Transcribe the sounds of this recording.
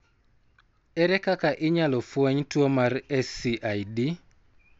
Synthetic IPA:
ɛɾɛkakaʔɪɲalɔfwoɲtwomarɛsiʔajdi

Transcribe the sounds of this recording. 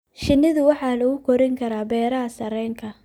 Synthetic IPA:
ʃɪnːɪðʊwɑħɑːlɐɣʊkʰɔɾɪŋkʰɐɾaːbɛːɾɐɦɐsɐɾɛːŋkʰɐ

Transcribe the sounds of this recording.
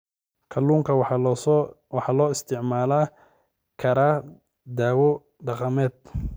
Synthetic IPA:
kʰɐlːuːŋkʰɐ | wɑħɑːlɔːɪst̪ʰɪʕmaːlaː | kʰɐɾaː | d̪aːwɔ | ɖɑqɑmɛːd̪

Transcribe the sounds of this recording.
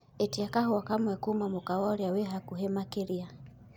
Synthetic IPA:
ɛtiakaɦɔwakamwɛkumamukawɔɾjawɛɦakuɦɛmakɛɾia

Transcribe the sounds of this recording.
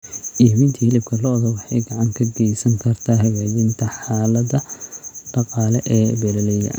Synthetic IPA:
ʔiːmɪnt̪ʰiːhɪlɪb̚kʰɐlɔðɐwɑħɑjɡɑʕɑŋkʰɐɡɛjsɐŋkʰɐrt̪ʰaːɦɐɣaːjɪnt̪ʰɐħɑːlɐdɐɖ̥ɑqɑːlɛʔɛːbɛlɐlɛjɐ̰

